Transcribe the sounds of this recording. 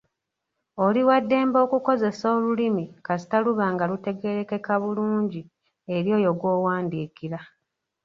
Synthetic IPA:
o̞liwadːe̞ːmbo̞ːkuko̞ze̞so̞ːlulimikasi̥taluβaːŋɡalute̞ɡe̞ɾe̞kekaβuluːɲɟi | eɾjo̞ːjo̞ɡwo̞ːwaːndiːkiɾa

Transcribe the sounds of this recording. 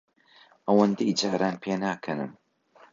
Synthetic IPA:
ʔɐwɐnd̪ejd͡ʒaːɾaːnpʰeːnaːkʰɐnɨ̰m

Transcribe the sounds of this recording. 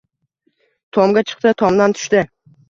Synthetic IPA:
t̪ʰɒmɡʲat͡ʃʰɨ̥qt̪ɪt̪ʰɒmd̪ant̪ʰʊ̥ʃt̪ɪ

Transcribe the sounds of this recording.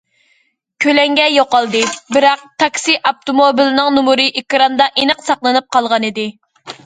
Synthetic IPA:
kʲʰølɛŋɡʲɛjoqɑlˠd̪ɨbɪɾɑq̚t̪ʰɑkʲsiʔɑp̚t̪omobilɨnɨŋnumuɾɨʔekɾɑnd̪ɑʔenəqsɑqlˠɨnɨp̚qʰɑlˠʁɑnid̪ɪ

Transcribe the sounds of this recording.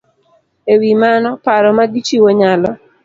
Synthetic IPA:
ewimanɔpaɾɔmaɡit͡ʃiwoɲalɔ

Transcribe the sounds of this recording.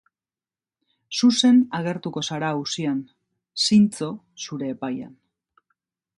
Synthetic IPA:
suse̞naɣ̞e̞ɾt̪uko̞saɾausian | sint͡so̞ | suɾe̞ːpaja̰n

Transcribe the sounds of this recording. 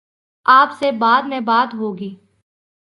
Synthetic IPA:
aːpsebaːd̪mɛ̃baːd̪ɦoːɡiː

